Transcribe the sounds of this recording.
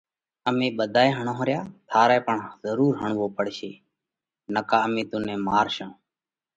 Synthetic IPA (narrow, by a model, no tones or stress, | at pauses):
əmĩːɓəd̪ʱaːeːɦəɳõːɦɾɪjaːt̪ʰaːɾaːpəɳzəɾuːɾɦəɳʋoːpəɽʃeː | nəkaːəmĩːt̪uːnẽːmaːɾʃõː